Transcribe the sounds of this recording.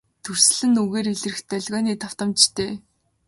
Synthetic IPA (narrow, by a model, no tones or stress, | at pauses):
t̪ʰɵr̥sɮɘ̆nːuɣeːriɮɘ̆rɘ̆xt̪œɮʲɣɔːniːt̪ʰaw̥t̪ə̆mt͡ɕt̪ʰeː